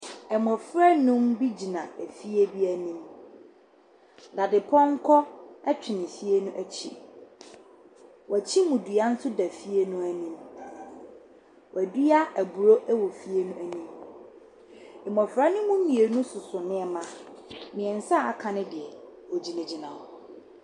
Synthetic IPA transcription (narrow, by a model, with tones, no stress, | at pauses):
ɛ˨mɔ̃˨fɾa˦nʊ̃˦mbi˦d͡ʑi˨nã˨æ˨fi˦e˦bi˦æ˨nĩ˦m | da˨dɪ˨pʰɔ̃˦ŋ̩˦kʰɔ˦ɛ˦t͡ɕᶣʰɪ˨nɪ̃˨fi˦e˦nʊ̃˦ʔæ˨t͡ɕʰi˦ | wt͡ɕʰi˦mũ˨du˨a˦n̩˦sʊ˦dæ˨fi˦e˦nʊ̃˦æ˨nĩ˦m | wæ˨du˦ja˦æ˨bu˨ɾo˦ʔæ˦wɔ˨fi˦e˦nũ˦æ˨nĩ˦m | ɪ˨mɔ̃˨fɾa˦nʊ̃˦mʊ̃˦m̩˦ĩ˨e˨˦nʊ̃˦sʊ˨sʊ˨nɪ̃˦ɛ˨mã˦mɪ̃˨ɛ̃˨n̩˨sa˦˨a˦kʰã˨nɪ̃˦dɪ˨ɛ˨ | ɔ˨d͡ʑi˨næ̃˨d͡ʑi˨nã˨